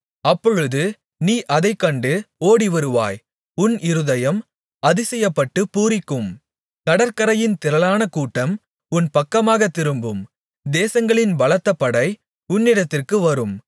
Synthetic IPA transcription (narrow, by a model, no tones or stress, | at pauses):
ɐpːɔɻɯðɯ | niːʔɐðɐɪkːɐɳɖɯoːɽiʋɐɾɯʋa̰ːj | ʊnɪɾɯðɐjɐm | ɐðɯsɛjːɐpːɐʈːɯpuːɾɪkːɯm | kɐɽɐɾkɐɾɐjɪnt̪ɪɾɐlaːnɐkuːʈːɐm | ʊnpɐkːɐmaːɣɐt̪ːɪɾɯmbɯm | d̪eːsɐŋɡɐɭɪnbɐlɐt̪ːɐpːɐɽɐɪ | ʊnːɪɽɐt̪ːɪrkɯʋɐɾɯm